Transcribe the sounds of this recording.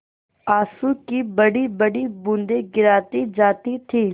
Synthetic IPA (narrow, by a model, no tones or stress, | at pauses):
aːsuːkiːbəɽiːbəɽiːbʊ̃nd̪eːɡɪɾaːt̪iːd͡ʒaːt̪iːt̪ʰiː